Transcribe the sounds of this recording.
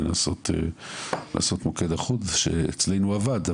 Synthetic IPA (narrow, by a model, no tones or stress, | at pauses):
aso̞t̪ḛla̰ːso̞t̪moke̞d̪aχudʃḛet͡sle̞jnuavad̪